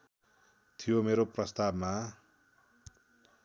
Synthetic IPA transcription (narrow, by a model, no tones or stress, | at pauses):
t̪ʰijomeɾoprʌst̪abma